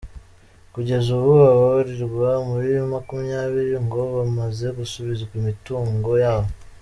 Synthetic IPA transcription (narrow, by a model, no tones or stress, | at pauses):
kuɟe̞zuβuβaβaβaɾiɾɡwamuɾijomakumijaːβiɾiŋɡo̞βamaze̞ɡusuβizakumituːŋɡo̞jaːβo